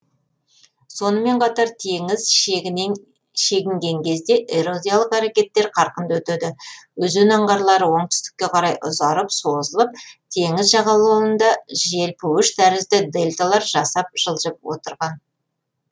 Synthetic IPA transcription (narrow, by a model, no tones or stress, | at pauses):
so̞nəme̞ɴqʰɑt̪ɑɾt̪ʰeŋɪz | ʃe̞ɡʲɪŋɡʲe̞ŋkʲʰe̞zd̪e̞ʔeɾo̞d̪ʲijalˠəqæɾekʲe̞t̪ːe̞ɾqʰɑɾqənd̪wɵt̪ed̪ɪwɵzɪnɑɴʁɑɾlˠɑɾəwo̞ɴt̪ʏ̥st̪ɪ̥kʲːe̞qʰɑɾɑjʔʊ̰zɑɾəpso̞zəlˠəp̚t̪ʰe̞ŋɪzʒɑʁɑlˠuənd̪ɑʒe̞lpʰɵwɪʃt̪ʰæɾɪzd̪ɪd̪e̞lʲt̪alˠɑɾʒɑsɑp̚ʒ̥əlˠʒəp̚wo̞̰t̪əɾʁɑn